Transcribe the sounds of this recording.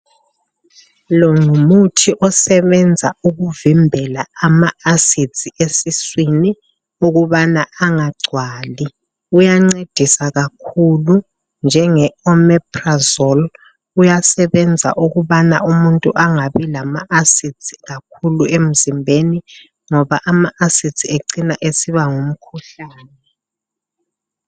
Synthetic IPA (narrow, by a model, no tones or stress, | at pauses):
lɔŋumutʰiʔɔsɛβɛnd͡zʱauɣuvimbʱɛlaamaasi̥z̥ʱiʔesiswini | uɣuβanaaŋaɡ͡ǀʱwaːli | ujaŋ͡ǀed̥ʱisaɣakʰulu | nd͡ʒʱɛŋɛɔmɛprazɔl | ujasɛβɛnd͡zʱa̰ʔuɣuβanaumuntʼuʔaŋaβilamaasizʰʱʼiɣakʰuluem̩zimbʱeni | ŋɔβaʔamaʔasi̥tʰʼieǀinaʔesiβaŋum̩kʰuɬaːnɛ